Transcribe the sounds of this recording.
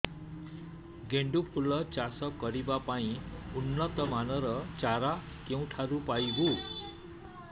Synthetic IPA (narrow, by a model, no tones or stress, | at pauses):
ɡeɳɖupʰulːʌt͡sasʌkʌɾibapaĩunːʌt̪ʌmanʌɾʌt͡saɾa | kew̃ʈʰaɾupajɡu